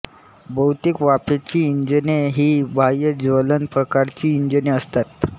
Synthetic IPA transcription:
bəwt̪ikʋapet͡ɕiːɲd͡ʑəneɦiːbʱajəd͡ʑʋələnpɾəkaɾt͡ɕiːɲd͡ʑəneəst̪at̪

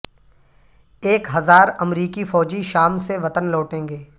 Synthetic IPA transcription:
eːkɦɐzaːɾɐmɾiːkifɔːd͡ʒiʃaːmseʋɐt̪ənlɔːʈẽːŋɡeː

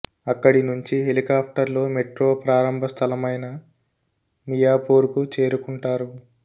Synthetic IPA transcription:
ɐkːɐɽinuɲt͡ʃiɦelikaːpʰʈɐɾlo̞ːmeʈɾoːpɾaːɾɐmbʱɐst̪ʰɐlɐmɐjnɐ | mijaːpoːɾukut͡ʃe̞ːɾukuɳʈaːɾu

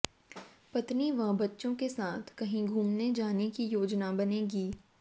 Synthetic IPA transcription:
pɐt̪niʋɐ̃ɦbɐtːʃõkesaːt̪ʰkɐɦĩɡʱuːmned͡ʒaːnekijoːd͡ʒnabɐneːɡiː

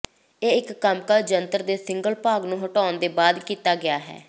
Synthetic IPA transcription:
eːɪkːəmkaːd͡ʒənt̪əɾd̪eːsɪŋɡəlpaːɡnũːɦʊʈaːʊnd̪eːbaːd̪kiːt̪aːɡɪaːɦɛ̰ː

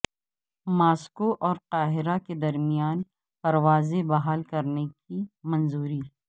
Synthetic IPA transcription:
maːskoʔɔːɾqaːɦɪɾaked̪ɐɾmijaːn | pɐɾwaːzebɐɦaːlkɐɾnekimɐnzuːɾi

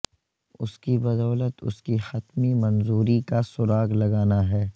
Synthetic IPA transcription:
ʊskibɐd̪ɔːlət̪ʊ̰skixɐt̪mimɐnzuːɾikasʊɾaːɡlɐɡaːnaɦɛː

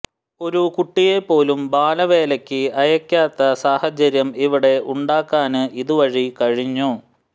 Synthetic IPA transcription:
o̞ɾukuʈːije̞pːo̞ːlumbaːlɐʋe̞ːlɐkʲːɨɐjɐkʲːaːt̪ːɐsaːhɐt͡ɕɐɾjɐmiʋiɽe̞uɳɖaːkːaːnɨʔiðuʋɐɻikɐɻiɲːu

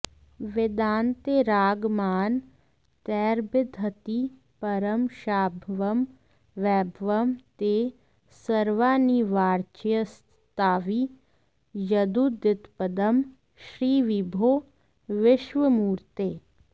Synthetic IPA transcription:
ʋɪd̪aːnt̪eːɾaːɡmaːn | t̪ɛːɾbɪd̪ʱət̪i | pɐɾəmʃaːbʱʋɐm | ʋɛːbʱʋɐmt̪e | səɾʋaːniʋaːɾt͡ʃjəs | t̪aːʋi | jɐd̪ud̪ɪt̪pəd̪əm | ʃɾiːʋibʱoː | ʋɪʃʋəmuːɾt̪eː

